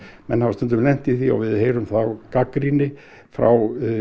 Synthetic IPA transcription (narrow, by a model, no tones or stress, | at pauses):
mɛnhavst̪ʏnt̪ʏmlɛn̥t̪iθiɔ̰vɪðheːjɾʏmθawkakɾinɪ | fɾa̰w